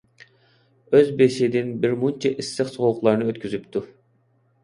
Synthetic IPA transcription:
øzbeʃid̪ɪnbɪɾmunt͡ʃʰɑʔisːɪχsoʁˠʊqlˠɑɾnɨøt̪kʲʰyzypt̪ʰu

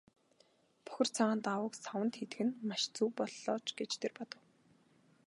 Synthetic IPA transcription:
pɔ̥xʲɪ̆r̥t͡sʰaʁaːnt̪awə̆ksawə̆nt̪xet̪ɘ̆ɡɘ̆nmaʃt͡suwpɔɮːɔːt͡ɕɡet͡ɕt̪ʰerpɔt̪ɞ̆w

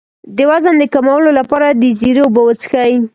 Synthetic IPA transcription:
d̪əwazənd̪əkamawəlolapɑɾad̪əziɾewbawət͡sxaj

